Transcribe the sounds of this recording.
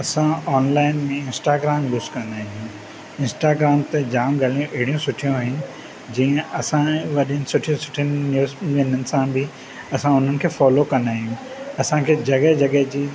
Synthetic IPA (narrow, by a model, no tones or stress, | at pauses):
ɐsãɔːnlaːɪnmẽɪ̃nsʈaːɡɾaːmluːskɐ̃nd̪aːiũ | ɪ̃nsʈaːɡɾaːmt̪ed͡ʑaːmɡaːlijũʔeɦɪɽijũsʊʈʰijũaːɦɪnɪ̆ | d͡ʑĩːə̃ɐsãʋɐɗiənɪsʊʈʰiũsʊ̥ʈʰiənːjuːzenənɪ̆sãbɪ | ɐsãʊn̤ənɪ̆kʰeːfɔːlokɐ̃nd̪aːɦijũ | ɐsãkʰeːd͡ʑɐɡəɦd͡ʑɐɠəɦd͡ʑiː